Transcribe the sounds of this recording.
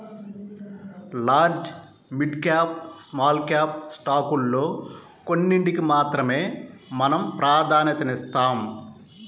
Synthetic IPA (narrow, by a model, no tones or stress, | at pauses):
laːɾd͡ʒ | miɖkaːp̚smaːlkjaːp̚sʈaːkulːo̞ː | konːiɳʈikimaːt̪ɾɐme̞ːmɐnɐmpɾʔaːd̪ʱaːnjɐt̪ɐnist̪aːm